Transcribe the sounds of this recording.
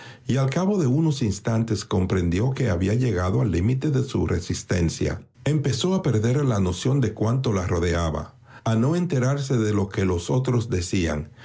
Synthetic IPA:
ialkaβo̞ðe̞uno̞sinst̪ant̪e̞sko̞mpɾe̞nd̪jo̞ke̞aβiaʝe̞ɣaðoalːimit̪e̞ðe̞sṵre̞̰sist̪e̞nsja̰ | e̞mpe̞so̞ape̞ɾðe̞ɾlano̞sjo̞nd̪e̞kwant̪o̞laro̞ðeaβa̰ | ano̞e̞nt̪e̞ɾaɾs̬e̞ðe̞lo̞ke̞lo̞so̞t̪ɾo̞zd̪e̞sia̰ŋ

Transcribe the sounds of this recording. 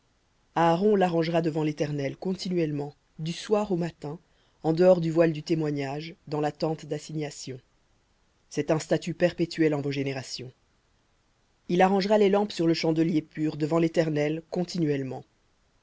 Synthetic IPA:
aːʁɔ̃laʁɑ̃ʒʁad̪əvɑ̃let̪ɛʁnɛlkɔ̃t̪inɥɛlmɑ̃ | d̪yswaʁomat̪ɛ̃ | ɑ̃d̪əɔʁd̪yvwald̪yt̪emwaɲaʒd̪ɑ̃lat̪ɑ̃t̪d̪asiɲasjɔ̃ | sɛt̪ɛ̃st̪at̪ypɛʁpet̪yɥɛlɑ̃voʒeneʁasjɔ̃ | ilaʁɑ̃ʒʁalelɑ̃psyʁləʃɑ̃d̪əljepyːʁd̪əvɑ̃let̪ɛʁnɛlkɔ̃t̪inɥɛlmɑ̃

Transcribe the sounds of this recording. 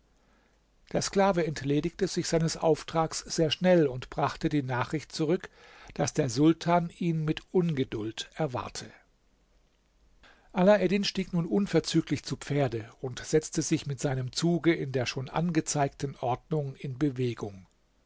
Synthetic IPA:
d̥eːɐskl̥aːvəɛntleːdɪçtəzɪçz̥aɪnəsʔa̰ʊftʁ̥aːksz̥eːɐʃnɛlʊntb̥ʁaχtədiːnaːχʁ̥ɪçt̚t͡suʁʏk | d̥asd̥eːɐzʊltʰaːniːnmɪtʔʊnɡədʊltʔɛɐva̰ɐtʰə | ʔalaʔɛdɪnʃtiːknuːnʔʊnfɛɐt͡syːklɪçt͡supp͡feːɐdəʊntz̥ɛt͡stəzɪçmɪtz̥aɪnəmt͡suːɡəɪndeːɐʃoːnʔa̰nɡət͡saɪk̚tn̩ʔɔɐdnʊŋɪnbəveːɡʊŋ

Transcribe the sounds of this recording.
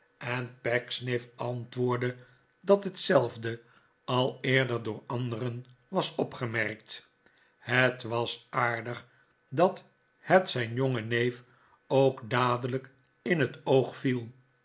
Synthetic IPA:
ʔɛnpɛksnɪfɑntʋʊːɹdə | dɑtɦətsɛlˠvdə | ɑlˠɪːɹdəɹdʊːɹɑnd̪ərən | ʋɑsɔpχəmɛʁk̚t | hətʋɑsaːɹdəχ | dɑt | hətsɛjnjoŋənejf | owkdaːdələk | ɪnɦətowχfilˠ

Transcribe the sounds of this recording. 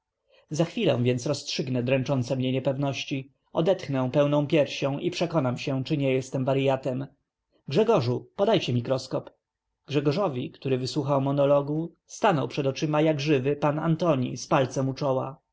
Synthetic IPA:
zaxfʲilɛ̰̃w̃vʲjɛnsɾɔstʂɘɡnɛd̪ɾɛ̃nt͡ʂɔnt̪sɛmɲɛɲɛpɛvnɔɕt͡ɕi | ɔd̪ɛt̪xnɛw̃pɛwnɔ̃w̃pʲjɛɾɕɔ̃w̃ʔipʂɛkɔnamɕɛt͡ʂɘɲɛjɛst̪ɛmvaɾjat̪ɛm | ɡʐɛɡɔʐupɔd̪ajt͡ɕɛmʲikɾɔskɔp | ɡ̥ʐɛɡɔʐɔvʲikt̪uɾɘvɘswuxawmɔnɔlɔɡu | st̪anɔwpʂɛd̪ɔt͡ʂɘmajaɡʐɘvɘpana̰nt̪ɔɲḭspalt̪sɛmut͡ʂɔwa̰

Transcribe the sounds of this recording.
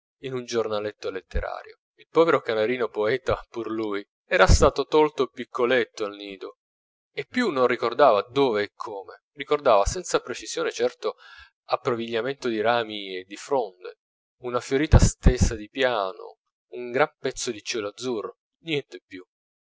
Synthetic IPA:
inund͡ʒornalet̪ːolet̪ːeɾa̰ːɾjo | ilpɔːveɾokanaɾiːnopoɛːt̪apurluj | ɛːɾast̪aːt̪ot̪ɔlt̪opikʰːolet̪ːoalniːd̪o | epːjunːonrikord̪aːvad̪oːveːkʰːoːme | rikord̪aːvasɛnt̪sapɾet͡ʃiz̥joːnet͡ʃɛrt̪o | apːɾoviʎːament̪od̪iɾaːmied̪ifɾond̪ḛ | unafjoɾiːt̪ast̪esːad̪ipjaːno̰ | uŋɡɾampɛt̪sːod̪it͡ʃɛlad̪zurːo | njɛnt̪epːju

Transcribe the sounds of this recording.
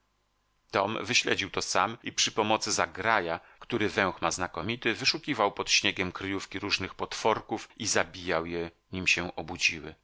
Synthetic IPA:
t̪ɔmvɘɕlɛ̰d͡ʑiwt̪ɔsamipʂɘpɔmɔt̪sɘzakɾaja | kt̪uɾɘvɛ̃w̃xmaznakɔmʲit̪ɘvɘʂukʲivawpɔt̪ɕɲeɡʲɛmkɾjufkʲiɾuʐnɘxpɔt̪fɔɾkufizabʲijawjɛ | ɲimɕɛʔɔbud͡ʑiwɘ̰

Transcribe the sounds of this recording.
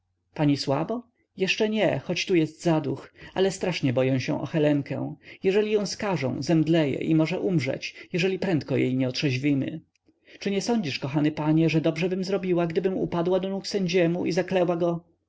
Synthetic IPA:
paɲiswabɔ | jɛʂt͡ʂɛɲɛxɔt͡ɕt̪ujɛst̪zad̪uxʔa̰lɛst̪ɾaʂɲɛbɔjɛ̃w̃ɕɛ̰̃ʔɔ̰xɛlɛŋkɛ̰̃w̃jɛʐɛlʲijɔ̃w̃skaʐɔ̰̃w̃zɛmd̪lɛjɛ̰ʔimɔʐɛʔumʐɛ̰t͡ɕjɛʐɛlʲipɾɛnt̪̚kɔjḛjɲɛɔtʂɛʑvʲimɘ̰ | t͡ʂɘɲɛsɔɲd͡ʑiʂkɔxanɘpaɲɛʐɛd̪ɔbʐɛbɘmzɾɔbʲiwaɡd̪ɘbɘmṵpad̪wad̪ɔnuksɛɲd͡ʑɛmuʔizaklɛwaɡɔ

